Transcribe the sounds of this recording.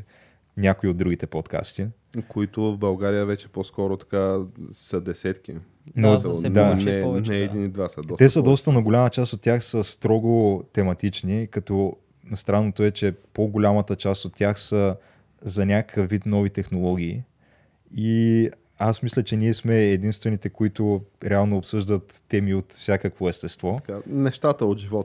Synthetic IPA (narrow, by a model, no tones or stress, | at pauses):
nʲakoiod̪d̪ɾuɡʲit̪ɛpot̪ka̰st̪i | koit̪ʊvvbɐlˠɡaɾijəvɛt͡ʃɛ̥poskɔɾot̪ɐ̥kasəd̪ɛsɛt̪kʲi | nod̪anɛnɛːinid̪vasəd̪ɔst̪ɛsəd̪ɔst̪ənɐɡolʲamɐt͡ʃast̪ot̪ːʲjaxsəst̪ɾɔɡot̪ɛmɐt̪it͡ʃnikɐt̪ɔ | nɐst̪ɾanːot̪ʊɛt͡ʃɛpoɡolʲamət̪ət͡ʃast̪ot̪ːʲjaxsə | zɐnʲakʰəfvːit̪nɔvit̪ɛxnolˠɔɡ̟ʲiː | i | asmislʲət͡ʃɛniɛsmɛːd̪inst̪vɛnit̪ɛkoit̪ʊɾɛalˠnoːpsɤʒd̪ət̪ːɛmiot̪fsʲjakəkvoɛst̪ɛst̪vɔkanɛʃt̪at̪əod̪ʒivɔt̪